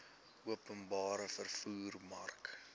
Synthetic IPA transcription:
uəpənbɑːɾəfərfuːrmɐrk

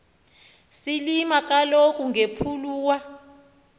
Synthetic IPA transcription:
silimak̬ʼalok̬ʼuŋʱepʰuluːwa

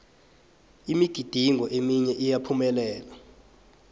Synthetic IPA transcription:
imiɡ̥ʱid̥ʱiŋɔʔemiɲɛʔijapʰumɛlɛːla

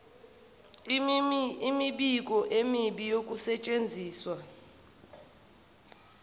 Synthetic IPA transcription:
miɓikʼɔʔemiɓijokʼusɛt͡ʃʼend͡zʱiːswa

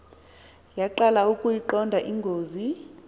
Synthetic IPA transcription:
jaǃalaukʼujiǃɔndʱaʔiŋɡʱoːzi

